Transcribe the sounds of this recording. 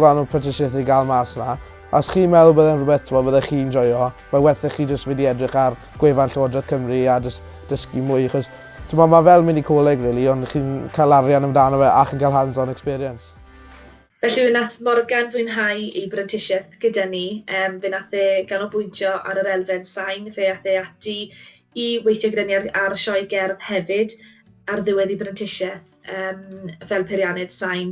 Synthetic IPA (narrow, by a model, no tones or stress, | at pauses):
ɡlanɔpʰətʰɪʃɪθiɡalˠmasna | asχiːnmɛwlˠbəðɛnrʊbɛθtʰɪmɔbəðɛχiːnd͡ʒɔjɔ | mawɛrθɛχiːd͡ʒəstvɛdiɛdrɪχar | ɡ̥wevanɬɔːdrɛθkʰəmriad͡ʒəst | d̥əskimʊɨjaχɔs | tʰɪmɔmavɛlˠmɪnikʰoːlˠɛɡriːlˠiɔndχiːnkʰalˠarjanəmdaːnɔvɛʔaχənkʰalˠɦansɔnɛkspiɾiəns | vɛɬivɪnaθmɔrɡanvɨɨnɦajibrɛntʰɪʃɛθɡ̥ədəniəːmvɨnaθɛɡ̥anɔbʊjntʰjɔʔa̰ɾəɾɛlˠvɛð̥sajnveaθɛatʰi | iwejθjɔɡɪdɛniararʃɔjɡɛrðhɛvɪd | arðɪwɛðibrɛntʰɪʃɛθ | əːmvɛlˠpʰɪɾjanɨð̥sajn